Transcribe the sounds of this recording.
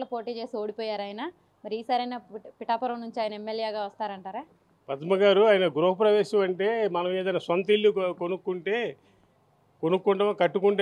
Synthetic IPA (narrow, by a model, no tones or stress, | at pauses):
lɐpo̞ːʈiːt͡ʃe̞ːsio̞ːɽipɔːjaːɾaːjinɐ | mɐɾiːsaːɾɐjnaːpiʈaːpɐɾɐmnuɲt͡ʃiaːjɐnɐemːeljeːɡaːʋɐst̪aːɾɐɳʈaːɾaː | pɐd̪mɐɡaːɾuaːjinɐɡuɾoːɦɐpɾɐʋeːʃɐmɐɳʈe̞ːmɐnɐmeːd̪ɐjnaːsʋɐnt̪ilːikonukːuɳʈeː | konukːuɳʈɐmkɐʈːukuɳʈe